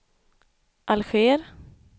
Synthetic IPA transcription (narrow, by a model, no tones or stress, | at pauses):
ʔalɧeːɾ